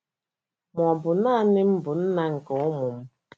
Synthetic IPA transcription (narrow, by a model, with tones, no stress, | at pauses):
mʷ˨ɔ˨bʊ˨na˦a˦nɪ˦m̩˦bʊ˨n̩˦na˦ŋ̩˨kɔ˨ʊ˦mʊ˨m̩˦